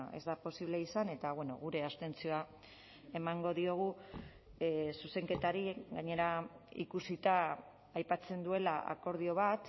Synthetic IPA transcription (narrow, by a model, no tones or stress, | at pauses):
ezd̪apo̞siβle̞isane̞t̪aβweno̞ɣ̞uɾe̞ast̪e̞nt͡sioa | e̞maŋɡo̞ðio̞ɣ̞u | suse̞ŋke̞t̪aɾiɡaɲe̞ɾaḭkusit̪aː | jpat͡se̞nd̪ue̞laʔa̰ko̞ɾð̞io̞β̞at̪